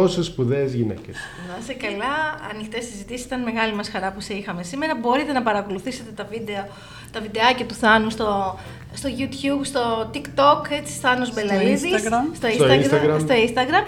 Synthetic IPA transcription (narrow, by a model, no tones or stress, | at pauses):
osespuðeːzʝinḛces | vɐsekɐlɐɐnixt̪est̪izit̪isisi̥t̪ɐnme̞ɣɐlimɐsxɐɾɐpuseixɐme̞sime̞ɾɐbo̞ɾit̪e̞nɐpɐɾɐko̞luθiset̪e̞t̪ɐvid̪eo | t̪ɐvid̪e̞ɐcɐt̪uθɐnust̪o | st̪o̞ʝut̪çubst̪o̞t̪ikt̪o̞ket͡si̥sθɐnuzbelɐliðist̪oisoɐinsɐɡɾɐst̪o̞inst̪ɐɣɾɐm